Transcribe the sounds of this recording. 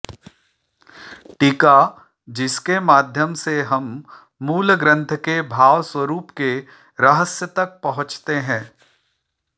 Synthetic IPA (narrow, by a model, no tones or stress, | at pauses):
ʈiːka | d͡ʒɪskemaːd̪ʱjəmseɦɐmː | uːlɡɾə̃nt̪ʰkebʱaːʋswəɾuːpke | ɾɐɦəsjət̪ɐk̚pɐɦʊ̃t͡ʃt̪eɦɛ̃ː